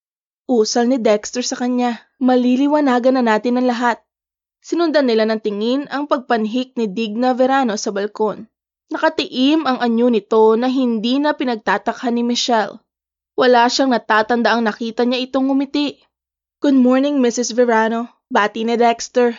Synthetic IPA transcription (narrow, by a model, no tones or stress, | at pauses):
ʔuːsɐlnɪd̪ɛkst̪ɛɹsɐkɐɲa | mɐlilɪwɐnaːɡɐnɐnaːt̪ɪnɐŋlɐɦat̪̚ | sɪnʊnd̪anːɪlanɐŋt̪ɪŋɪnɐŋpɐɡ̚pɐnɦɪk̚nɪd̪iɡ̚nɐvɛɾaːno̞sɐbɐlko̞nː | ɐkɐt̪ɪʔɪmɐŋʔɐɲonɪt̪o̞nɐɦɪnd̪iːnɐpɪnɐɡ̚t̪aːt̪ɐkhanːɪmɪʃɛl | wɐlaːʃaŋnɐt̪aːt̪ɐnd̪aʔɐŋnɐkiːt̪ɐɲaʔɪt̪o̞ŋːʊmɪt̪ɪʔ | ɡ̥ʊd̪̚moɹnɪŋmɪsɪsvɛɹaːno̞ | baːt̪inɪd̪ɛkst̪ɛɹ